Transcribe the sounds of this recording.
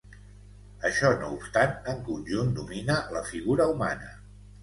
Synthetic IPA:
əʃɔnoupst̪anəŋkunʲʒund̪uminələfiɣuɾəumanə

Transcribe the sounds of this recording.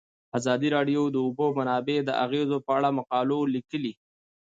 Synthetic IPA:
azɑd̪iɾɑɖjod̪əʊbomanɑbed̪əʔaɣezopəaɽamaqɑlolikəli

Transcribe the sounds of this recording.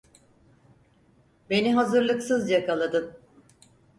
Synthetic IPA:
be̞niɦazɯɾlˠɯksɯzjakalˠad̪ɯm

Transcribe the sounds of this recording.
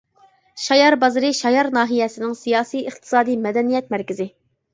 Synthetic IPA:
ʃɑjɑɾbɑzɨɾɨɪʃɑjɑɾnɑːɦijɛsɪnɪŋsijɑːsijɨχt̪ʰɨ̥sɑːd̪ijmɛd̪ɛnijɛt̪̚mæɾkʲɪzɪ

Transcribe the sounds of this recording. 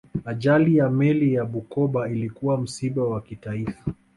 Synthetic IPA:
aʄalijamɛlijaɓukɔɓailikuwam̩siɓawakitaifḁ

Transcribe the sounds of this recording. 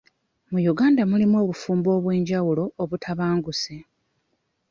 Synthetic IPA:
mujuɡaːndamulimwo̞ːβufuːmbo̞ːβwe̞ːɲɟawulo̞ːβutʰaβaːŋɡuse

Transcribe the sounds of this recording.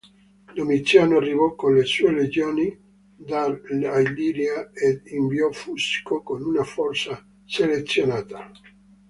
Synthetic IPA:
d̪omit̪sjaːnoarːivɔkːonlesuːeled͡ʒjoːni | d̪alajliɾjaed̪iɱviɔfuskokonunafɔrt̪sa | selet̪sːjonaːt̪a

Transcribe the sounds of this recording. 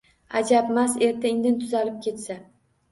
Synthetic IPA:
a̰d͡ʒapmase̞ɾt̪ʰɪɪŋd̪ɪnt̪ʰʊzalɪp̚kʲʰe̞t̪sa

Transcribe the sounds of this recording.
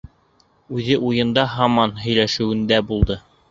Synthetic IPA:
ʉðɘʔujɤ̆nd̪ɑɦɑmɑnɦɵ̆jlæʃɘ̆wɘ̆nd̪æbulˠd̪ɤ

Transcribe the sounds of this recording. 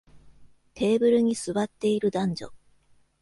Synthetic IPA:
t̪ʰe̞ːbɯ̟ɾɯ̟ɲ̟isɨβat̪ːe̞iɾɯ̟d̪ãɲ̟d͡ʑo̰

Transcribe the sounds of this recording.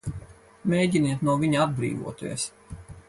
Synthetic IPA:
mʲejɟʲiniɛt̪nuɔviɲaad̪̚bɾḭːvṵɔt̪uḭɛs

